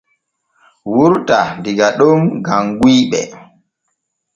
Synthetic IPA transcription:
wuɾtandiɡaɗunɡamɡwiːɓɛ̰

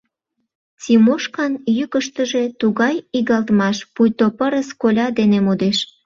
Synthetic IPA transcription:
t͡simoʃkɑnjykəʃt̪əʒe̽t̪uɣɑjiɣɑlt̪mɑʃpujt̪opəɾəskolʲɑd̪enemod̪eʃ

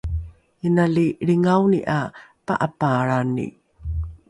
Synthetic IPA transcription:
jənaliɾiŋawniʔapa̰ʔapaɭanḭ

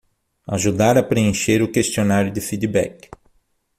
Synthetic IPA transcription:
a̰ʒud̪aɾɐpɾeẽʃeɾʊkest͡ʃionaɾjʊd̪ɪfid̪ibɛ̰k

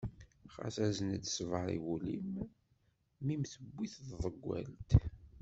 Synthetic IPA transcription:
χɑ̰θæzənəd̪svəɾˤḭwulḭm | mimθəbːiθððˤəɡʷːæ̰lt̪

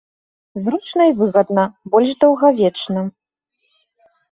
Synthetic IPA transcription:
zɾut͡ʂnɐivɨɣɐd̪nɐbɔlʲʂd̪ɐwɣavʲɛt͡ʂnɐ

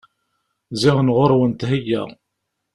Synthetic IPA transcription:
zɪʁənʁoɾˤwənt̪ɦəjːæ̰

